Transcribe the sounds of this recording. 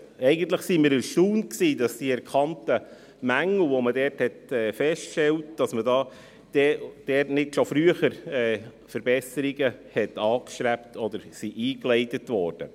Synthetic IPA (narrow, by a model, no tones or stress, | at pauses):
ɛɪɡən̩t̪ləχsimɪɾəɾʃtuːnksiːdɑsd̥iɛɾkʰɑntə | mæŋl̩ˠʋomədɛɾthɛtɛːfɛstʃtɛltd̥ɑsmədɑː | d̥ɛd̥ɛrtnɪtʃofɾyəχəɾɛː | fəɾbɛsəɾiɡəhɛtɑːkʃɾæptʰɔd̪əɾsiʔiːklɛɪtətʋɔːɾd̥ə̰